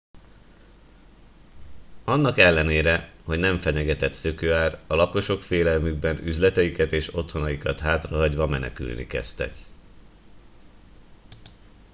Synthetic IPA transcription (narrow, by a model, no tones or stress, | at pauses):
ɒnːɒkɛlːɛneːɾɛho̞ɟnɛɱfɛɲɛɡɛt̪ɛt̪søkøːaːrɒlɒko̞ʃo̞kfeːlɛlmyɡ̚bɛnyzlɛt̪ɛjikɛt̪eːʃo̞t̪ho̞nɒjikɒt̪ɦaːt̪rɒɦɒɟʋɒmɛnɛ̰ky̰lnḭkɛ̰st̪ɛ̰k